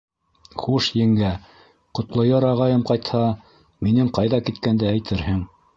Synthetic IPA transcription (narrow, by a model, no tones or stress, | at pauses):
χuʃjɘ̆ŋɡæ | qŏt̪lˠɤ̆jɤɾɑʁɑjɤmqɑjt̪hɑ | minɘŋqɑjðɑkit̪kænd̪ææjt̪ʰɘɾhɘŋ